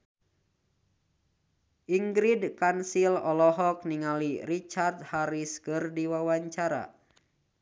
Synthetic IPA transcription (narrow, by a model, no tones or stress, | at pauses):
ʔiŋɡɾidkansilɔlɔɦɔk̚niŋalirit͡ʃard̪̚haɾiskɨrdiwawaɲt͡ʃaɾa̰